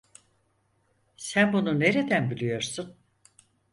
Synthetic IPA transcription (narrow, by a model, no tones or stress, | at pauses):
sænbunune̞ɾe̞d̪ænbilʲijo̞ɾsun